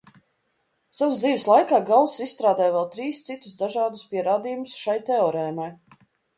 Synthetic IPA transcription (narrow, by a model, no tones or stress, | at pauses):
savzd̪ziːvslˠajkaːɡawˠssisst̪ɾaːd̪aːjvɛlˠt̪ɾiːst̪sit̪ʊsd̪aʒaːd̪ʊspʲiɛɾaːd̪iːjumʊsʃajt̪ɛɔɾɛːnaj